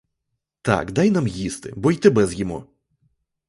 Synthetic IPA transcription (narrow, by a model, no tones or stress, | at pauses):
t̪a̰kd̪ajnamjist̪ɪ̰bɔjt̪ɪbɛzjɔmṵ